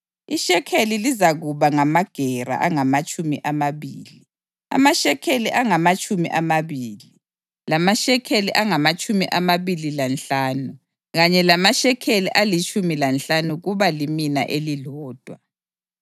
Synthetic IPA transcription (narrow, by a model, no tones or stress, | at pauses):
iʃɛkʰelilizaɣuβaŋamaɡ̥ʱɛɾa̰ʔaŋamat͡ʃʼumḭʔamaβiːli | a̰maʃɛkʰeliʔaŋamat͡ʃʼumḭʔamaβiːli | lamaʃɛkʰeliʔaŋamat͡ʃʼumiʔamaβililant͡ɬaːnu | ɣaɲɛlamaʃɛkʰeliʔalit͡ʃʰʼumilant͡ɬanuɣuβalimina̰ʔelilɔːd̥ʱwa